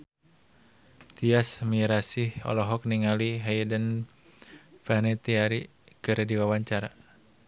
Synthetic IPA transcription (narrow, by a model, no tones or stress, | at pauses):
t̪iasmiɾasihɔ̰lɔɦɔk̚niŋaliɦajdən | fanɛt̪iaɾi | kɨɾdiwawaɲt͡ʃaɾa